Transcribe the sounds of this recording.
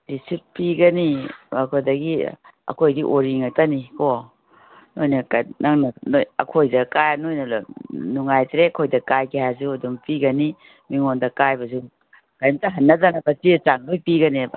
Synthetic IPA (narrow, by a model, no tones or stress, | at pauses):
disit̚piɡɐnibakʰodɐɡiɐ̰kʰojdiʔoɾiŋɐtaniko | nojnɐkanaŋnɐnojɐ̰kʰojdɐkajnojnɐlnuŋajtɾeɐkʰojdɐkajkʰehazuɐduŋpiɡɐni | miŋondɐkajbɐzu | kajmtɐɦɐnːɐzanɐbɐsiet͡ʃaŋdojpiɡɐniba̰